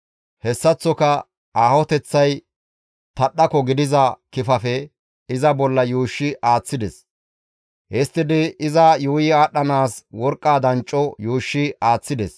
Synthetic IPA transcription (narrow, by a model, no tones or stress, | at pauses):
hɛsːɐt͡sːɔkɐ | aːhɔt̪ɛt͡sːɐj | t̪ɐɗɐkɔɡɪd̪ɪzɐkɪfɐfɛ | ɪzɐbɔlːɐjuːʃːɪʔaːt͡sːɪd̪ɛs | hɛst̪ːɪd̪ɪɪzɐjuːjɪaːɗːɐnaːswɔɾkʼːaːd̪ɐnt͡ʃʼːɔjuːʃːɪaːt͡sːɪd̪ɛs